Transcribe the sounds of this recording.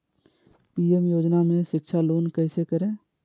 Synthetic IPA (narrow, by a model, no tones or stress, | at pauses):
piːemjoːd͡ʒnamẽʃɪkʃʰaloːnkəɪsekəɾẽː